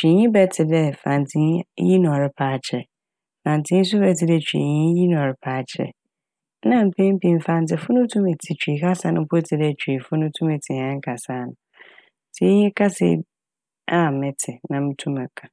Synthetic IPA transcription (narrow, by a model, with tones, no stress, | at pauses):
t͡ɕᶣi˨ɲĩ˦bɛ˦˨tʰɪ˨dɛ˦fã˨ntʰɪ˨ɲ˦ji˦nʊ̃˨ɔ˨ɾɪ˦pʰaː˦t͡ɕʰɛ˨ | fã˨ntʰɪ̃˦n̩˦s̬ʊ˦bɛ˨˦tʰɪ˨dɛ˨t͡ɕʰᶣɥḭ˨ɲĩ˦ji˦nʊ̃˨ɔ˨ɾɪ˦pʰaː˨˦t͡ɕʰɛ̰˨˦ | nã˦m̩˨pʰẽ˦m˦pĩ˨m˨fã˨n˨tɪ˨fʊ˦nʊ̃˦tʰũ˦mɛ˨tʰi˨t͡ɕᶣi˨ka˦sa˨˦nʊ̃˦pʰo˦tʰɪ˨dɛ˨t͡ɕᶣʰɥi˨fʊ˦nʊ̃˦tʰũ˦mɛ˨tʰi˨hã˦ŋ̩˦kʰa˨sa˦nʊ̃˨ | tʰi˦ɲĩ˦kʰa˦sɛ̰˦˨ | a˦˨mɛ̃˨tʰɪ˨nã˨m̩˦tʰũ˦mɛ˨kʰa˨